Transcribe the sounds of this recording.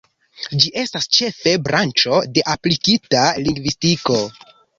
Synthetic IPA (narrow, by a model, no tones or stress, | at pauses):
d͡ʒiʔe̞stast͡ʃe̞fe̞bɾʔant͡ʃo̞de̞ʔaplikitaliŋɡvistiko̞